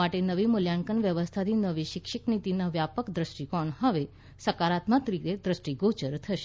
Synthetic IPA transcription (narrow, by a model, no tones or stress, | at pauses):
aʈenəʋimuljaŋkənʋjəʋəst̪ʰat̪inəʋiɕikʂiknit̪inaʋjapəkd̪ɾəʂʈikɔɳɦəʋe | səkaɾat̪mat̪ɾit̪ed̪ɾəsʈiɡot͡ɕəɾt̪ʰəʃe̥